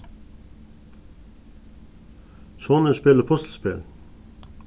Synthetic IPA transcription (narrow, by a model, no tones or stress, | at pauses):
sɔnəspeləpʰɔst̪spɪl